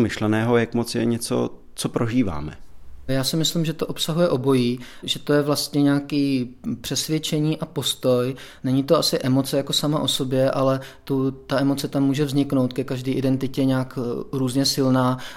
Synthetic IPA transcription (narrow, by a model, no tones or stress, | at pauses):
mɪʃlɛnɛːɦojakmot͡sjɛ̰ɲɛt͡so̰ | t͡sopɾoʒiːva̰ːmɛjaːsɪmɪslimʒɛt̪o̞ʔopsaɦujɛʔo̞bo̞jiː | ʒɛt̪o̞jɛvlast̪ɲɛɲaːkiːpr̝̥ɛsvjɛt͡ʃɛɲiːʔapo̞st̪o̞j | nɛɲɪt̪oʔasɪʔɛmo̞t͡sɛjako̞samaʔo̞so̞bjɛʔalɛt̪ut̪aɛmo̞t͡sɛt̪amːuːʒɛvzɲɪknowt̪kɛkaʒdiːʔɪdɛnt̪ɪcɛɲaːkɾuːzɲɛsɪlnaː